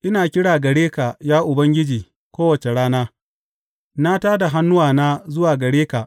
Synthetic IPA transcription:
ʔɪ˦naː˨kʲɪ˦ɽaː˨ɡɐ˨ɽeː˦ka˨jaː˦ʔʊ˨bɐ˦ŋɡʲɪ˦d͡ʒiː˨ | kʷoː˦wɐ˨t͡ʃe˨ɽaː˦naː˦ | na˦taː˦da˨ɦa˦nːʊ˦waː˨naː˦zʊ˦waː˨ɡɐ˨ɽeː˦ka˨ʔ

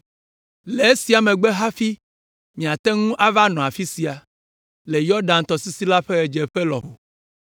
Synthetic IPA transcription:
le˨e˦si˨˦a˨mẽ˨ɡ͡bɛ˦ɦa˦fi˦ | mĩ˨a˨t̪ɛ˦ŋũ˦ʔa˦va˦nɔ̃˨a˨fi˦si˨a˨ | le˨jɔ˦ɖã˨nt̪ɔ˨si˦si˦la˦ɸe˦ɣɛ˨d͡ʒe˨ɸe˦lɔ̰˨ɦo̰˨

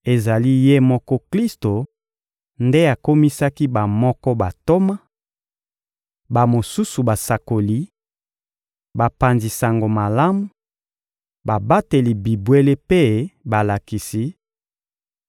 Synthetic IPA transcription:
e˨za˨li˦je˦mɔ˦kɔ˦kli˦sto˨ | nde˦a˨ko˦mi˦sa˦ki˦ba˨mɔ˦kɔ˦ba˨to˦ma˦ | ba˨mo˨su˦su˨ba˨sa˨ko˨li˦ | ba˨pa˨nzi˨sa˨ŋɡo˨ma˨la˦mu˨ | ba˨ba˦te˨li˨bi˨bwe˦le˦pe˦ba˨la˨ki˨si˦

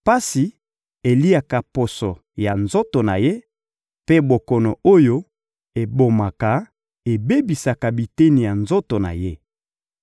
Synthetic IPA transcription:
pa˦si˨ | e˨li˦a˨ka˨po˨sɔ˨ | ja˨nzo˦to˨na˨je˦ | pe˦bo˨kɔ˨no˨o˦jo˦ | e˨bo˨ma˨ka˨ | e˨be˦bi˨sa˨ka˨bi˨te˦ni˨ja˨nzo˦to˨na̰˨je˦

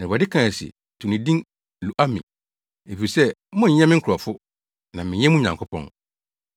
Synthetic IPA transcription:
na˨ba˨dɪ˦kʰã˨sɪ̰˨ | tʰu˨nĩ˨dĩ˦ŋ | lu˨ʔa˦mɪ̰̃˨ | e˨fi˨sɛ˦mɔ̃˦ɲ̩˨ɲɛ̃˦mɪ̃˦ŋ̩˦kʰɾɔ˨fʊ˦ | nã˨mɪ̃˨ɲɛ̃˦mũ˦ɲã˨ŋkʰʊ˦pʰɔ̰̃˦ŋ

